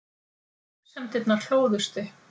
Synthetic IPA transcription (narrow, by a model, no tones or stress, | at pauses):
sɛmt̪ɪt̪nḁɬoːwðʏst̪ɪ